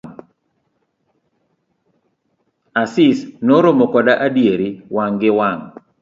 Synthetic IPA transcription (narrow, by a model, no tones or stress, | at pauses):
asɪsnoɾomokɔdaʔadjeɾiwaŋɡɪwaŋ